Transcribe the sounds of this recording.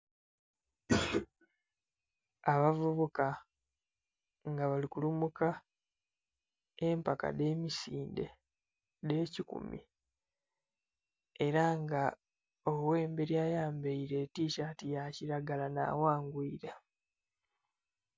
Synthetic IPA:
aβavuβuka | ŋɡaβalikulumuka | empaka̰de̞ːmisiːnde̞̰ | de̞ːcikṵmḭ | eɾaŋɡa | owe̞ːmbe̞ɾjaːjaːmbeiɾe̞tiːʃatijaciɾaɡalana̰ːwaːŋɡwiiɾa

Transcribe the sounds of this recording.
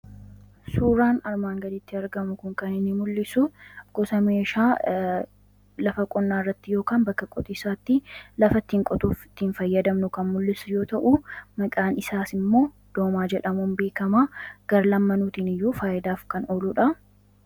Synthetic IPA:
suːɾaːnɐɾmaːŋɡɐd̪ɪt̪ːɪɐɾɡɐmʊkʊŋkɐnɪnːɪmʊlːɪsʊɡ̥ɔsɐme̞ːʃaː | lɐfɐkʼɔnːaːɪrːɐt̪ːɪjo̞ːkaːnbɐkːɐkʼɔt̪ʼiːsaːt̪ːɪlɐfɐt̪ːiːŋkʼɔt̪ʼuːfɪ̥t̪ːiːnfɐjːɐd̪ɐmnʊkɐnmʊlːɪsʊjo̞ːt̪ɐʔʊmɐkʼaːnɪsaːsɪmːo̞ː | d̪̥o̞ːmaːd͡ʒɛᶑɐmuːnbe̞ːkɐmaːɡ̥ɐɾlɐmːɐnuːt̪iːnɪjːuːfaːʔɪd̪aːfkɐnoːlʊᶑɐ

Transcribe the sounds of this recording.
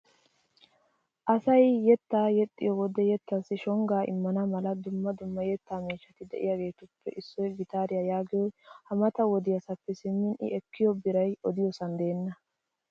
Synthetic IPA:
ʔɐsɐjjɛt̪ːaːjɛt̪ʼːɪ̰jɔwɔd̪ɛjɛt̪ːɐsːɪʃɔŋɡaːʔɪ̰mːɐnɐmɐlɐd̪ʊmːɐd̪ʊmːɐjɛt̪ːaːmiːʃːɐt̪ɪd̪ɛ̰ʔɪ̰jaɡe̞ːt̪ʊpːɛ̰ʔɪsːɔjɡɪt̪aːɾɪjajaːɡɪjɔjhɐmɐt̪ɐwɔd̪ɪjɐsɐpːɛsɪmːɪnʔɪ̰ʔɛkːɪjɔbɪɾɐjɔd̪ɪjɔsɐnd̪e̞ːnːɐ

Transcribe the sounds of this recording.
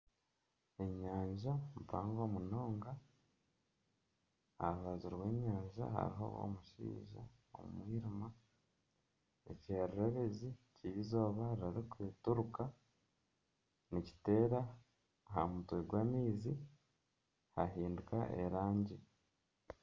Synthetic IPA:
e̞ɲaːɲʒamupaːŋɡoːmuno̞ːŋɡa | aβaziɾwe̞ːɲaːɲʒa̰ɦa̰ɾiɦo̞̰o̰muʃḭːʒa̰ | o̰mṵmwiːɾima | ḛceːɾɾeβe̞zicijizo̞ːβaɾɾaɾikuetuɾuka | nici̥te̞ːɾa | ɦamutweɡwaːmiːzi | haɦiːndukaʔḛɾaːɲɟi

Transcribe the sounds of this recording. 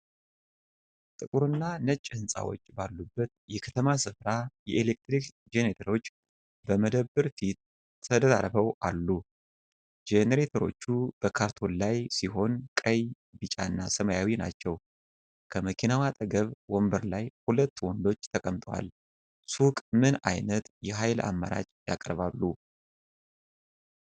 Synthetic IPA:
t̪ʼɨkʼuɾɨnːanət͡ʃʼːhɨnsʼa̰wo̞̰t͡ʃːbalːubːət̪̚jɛkʰə̥t̪ʰəmasɨfɾajɛʔelek̚t̪ɾik | d͡ʒenet̪ʰəɾo̞t͡ʃː | bəməd̪əbːɨɾfit̪̚ʰ | əd̪ət̪a̰ɾbəwʔalːu | d͡ʒeneɾet̪ʰəɾo̞̰t͡ʃːub̥əkʰaɾt̪ʰo̞llajsiɦo̞nkʼəj | bɨt͡ʃʼa̰nːasəmajawina̰t͡ʃːɛw | kʰəməkʰinawat̪ʼəɡəβwɔmbəɾlajhulət̪ːwɔnd̪o̞t͡ʃːt̪ʰəkʼəmt̪ʼwa̰l | sukʼmɨna̰jnət̪jɛɦajla̰mːa̰ɾa̰t͡ʃʼja̰kʼɾβalːu

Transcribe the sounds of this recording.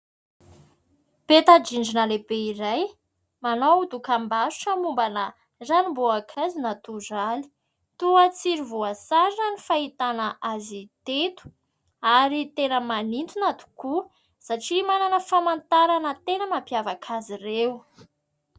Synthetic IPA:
pet̪ad͡ʒiɳɖ͡ʐinəlebeiɾaj | manowd̪ukambasu̥ʈ͡ʂəmumbanə | zanimboakʰazinat̪uzali̥ | t̪uat͡siɾivuasaɾnənifait̪anəʔazit̪et̪u̥ | aɾit̪enəmanint̪unat̪u̥ku | saʈ͡ʂimananəfamant̪aɾanət̪enəmampjavakʰazirew

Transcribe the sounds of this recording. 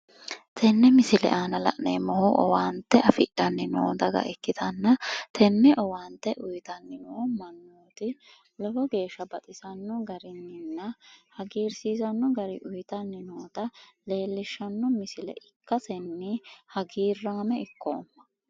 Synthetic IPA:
t̪ʰɛnːɛmɪsɪlɛ̰ʔaːnɐlɐ̰ʔnḛːmɔhʊʔɔ̰waːnt̪ːɛʔɐfɪʔɐnːɪno̰ːd̪ɐɡɐ̰ʔɛkːɪt̪ʰɐnːɐt̪ʰɛnːɛʔɔwaːnt̪ːɛʔʊjt̪ɐnːɪnɔɔmɐnːoːt̪ɪ | lɔlɔɡe̞ːʃːɐbɐt̪ʼɪsɐnːɔɡɐɾɪnːɪnːɐhɐɡiːɾsiːsɐnːɔɡɐɾɪ̰ʔʊjt̪ɐnːɪnoːt̪ɐle̞ːlːɪʃːɐnːɔmɪsɪlɛ̰ʔɪkːɐsɛnːɪhɐɡiːrːaːmɛɪkːoːmːɐ̥

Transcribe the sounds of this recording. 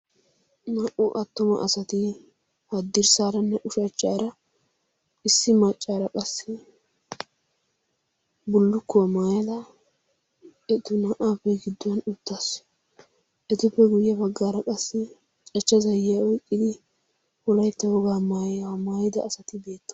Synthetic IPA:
nɐʔʊʔɐt̪ːʊmɐ̰ʔɐsɐt̪ɪ | hɐd̪ːɪɾsaːɾɐnːɛʔʊʃɐt͡ʃʼːaːɾɐ | ɪsːɪmɐt͡ʃʼːaːɾɐkʼɐsːɪ | bʊlːʊkːʊwɐmaːjɐlɐ | ɛt̪ʊnɐʔaːpːɛɡɪd̪ːʊwɐnʊt̪ːas | ʔɛt̪ʊpːɛɡʊjːɐbɐɡːaːɾɐkʼɐsːɪ | t͡ʃʼɐt͡ʃːɐzɐjːɪjaɔjkʼːɪd̪ɪ | hɔlɐjt̪ːɐhɔɡaːmaːjɐwɐmaːjɪd̪ɐːsɐt̪ɪbe̞ːt̪ːɐ̥

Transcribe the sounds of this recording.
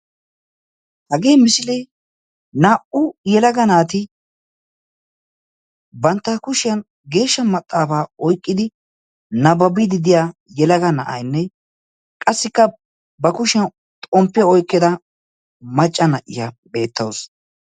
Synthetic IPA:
hɐɡe̞ːmɪsɪle | naːʔʊjɛlɐɡɐnaːt̪ɪ | bɐnt̪ːɐkʊʃɪjɐn | ɡe̞ːʃːɐmɐt̪ʼːaːfaːɔjkʼːɪd̪ɪ | nɐbɐbɪd̪ɪd̪ɪjaːjɛlɐɡɐnɐʔɐ̰jnːɛ | kʼɐsːɪkːɐ | bɐkʊʃɪjɐn | t̪ʼɔmpːɪjɐɔjkːɪd̪ɐ | mɐt͡ʃʼːɐnɐʔɪja | be̞ːt̪ːɐws

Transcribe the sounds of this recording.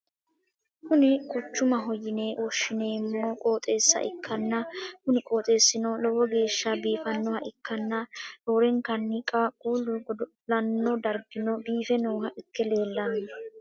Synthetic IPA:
kʊnɪkʊt͡ʃːʊmɐɦɔjɪne̞ːwʔɔʃːɪneːmːɔkʼo̞ːt̪ʼe̞ːsːɐ̰ʔɪkʰːɐnːɐhʊnɪkʼo̞ːt̪ʼe̞ːsːɪnɔlɔwɔɡe̞ːʃːɐbiːfɐnːɔhɐʔɪkʰːɐnːɐdoːɾɛŋkɐnːɪkʼɐkʼuːlʊɡɔd̪ | lɐnːɔd̪ɐɾɡɪnɔbiːfɛnoːɦɐʔɪkːɛle̞ːlːɐnːɐ

